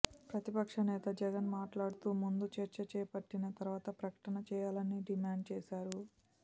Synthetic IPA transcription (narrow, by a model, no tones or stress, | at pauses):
pɾɐt̪ipɐkʂɐnɛːt̪ɐd͡ʒɛɡɐnmaːʈlaːɽut̪uːmund̪ut͡ʃɐɾt͡ʃɐɾt͡ʃɛːpɐʈːinɐt̪ɐɾʋaːt̪ɐpɾɐkɐ̥ʈɐnɐt͡ʃɛːjaːlɐnːiɖimaːɳɖ̚t͡ʃɛːsaːɾu